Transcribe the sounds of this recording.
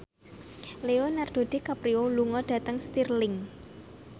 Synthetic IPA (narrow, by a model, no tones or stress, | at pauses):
leonard̥o̤d̥e̤kapɾioluŋɔd̥ä̤t̪əŋst̪irlɪŋ